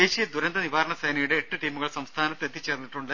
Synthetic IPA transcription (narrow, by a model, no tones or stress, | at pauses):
eːɕijɐd̪uɾɐnd̪ɐniʋaːɾɐɳɐsejnɐjuɽe̞ːʈːɨʈiːmːuɣɐɭsɐmst̪ʰaːnɐt̪ːet̪ːit͡ɕːeːrnːiʈːuɳɖɨ